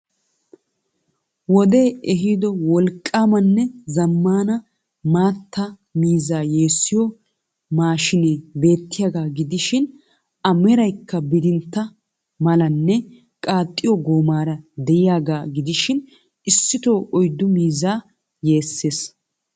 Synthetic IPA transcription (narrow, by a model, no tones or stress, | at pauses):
wɔd̪e̞ːɛɦɪd̪ɔwɔlkʼːaːmɐnːɛzɐmːaːnɐ | maːt̪ːɐ | miːzaːje̞ːsːɪjɔ | maːʃɪneːbe̞ːt̪ːɪjaːɡaːɡɪd̪ɪʃɪn | ɐmɛɾɐjkʰːɐbɪd̪ɪnt̪ːɐ | mɐlɐnːɛ | kʼaːt̪ʼːɪjɔɡoːmaːɾɐd̪ɛjɪjaːɡaːɡɪd̪ɪʃɪn | ɪsːɪt̪o̞ːʔɔjd̪ːʊmiːzaː | je̞ːsːe̞ːs